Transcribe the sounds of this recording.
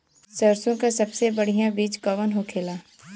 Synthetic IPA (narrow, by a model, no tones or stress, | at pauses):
səɾsõkasɐbsebəɽ̤ijãbiːt͡ʃkɔʋənɦokʰeːlaː